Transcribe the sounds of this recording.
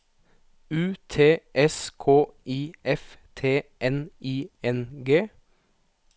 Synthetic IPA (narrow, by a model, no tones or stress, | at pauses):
ʉːt̪ʰeːʔɛskʰoːʔiːɛft̪ʰeːʔɛniːɛnɡeː